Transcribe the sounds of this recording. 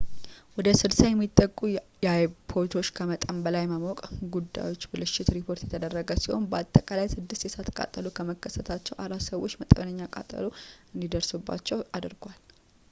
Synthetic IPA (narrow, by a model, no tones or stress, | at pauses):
wɔd̪əsɨlsajɛmːit̪ʼːəkʼːujɛajpʰo̞ɾt̪ʰo̞t͡ʃːkʰəmət̪ʼəmbəlajməmɔkʼɡud̪ːa̰jwo̞t͡ʃːbɨlɨʃɪt̪ɾipʰo̞ɾt̪jɛt̪ʰəd̪ərːəɡəsiho̞̰nbəat̪ʼːəkʼalajsɨd̪ːɨst̪jɛsat̪ʰkʼa̰t̪ʼːəlukʰəməkːəsət̪ʰat͡ʃːɛwʔaɾat̪səwo̞t͡ʃːmət̪ʼəβənəɲːakʼa̰t̪ʼə̰loɨnd̪id̪əɾsubːa̰t͡ʃːɛwad̪ɨɾɡwal